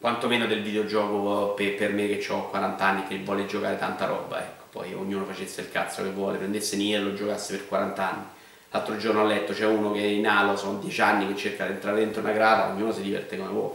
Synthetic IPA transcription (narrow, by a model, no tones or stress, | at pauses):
kwant̪omeːnod̪elvid̪eod͡ʒɔːkopepermekːet͡ʃːɔkkwaɾant̪aanːikevːɔːled͡ʒokaːɾet̪a̰nt̪aɾɔ̰ːba̰ɛ̰kːo̥pɔ̰jo̰ɲːuːnofat͡ʃesːeilkat̪so̰kevːwɔːlepɾend̪esːeniɛɾlod͡ʒokasːeperkwaɾant̪aanːi | lalt̪ɾod͡ʒornoalːɛt̪ːot͡ʃɛunokeɛinaːlosond̪jɛt͡ʃanːiket͡ʃːerkad̪ient̪ɾaːɾed̪ent̪ɾounaɡɾaːd̪a̰o̰ɲːuːnosid̪ivɛ̰rt̪ekomevwɔ̰l